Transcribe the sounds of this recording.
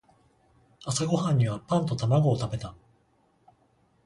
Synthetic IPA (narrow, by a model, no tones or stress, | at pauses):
asaɡo̞hãɲ̟ːiβapãnt̪o̞t̪amaɡo̞ːt̪abe̞t̪a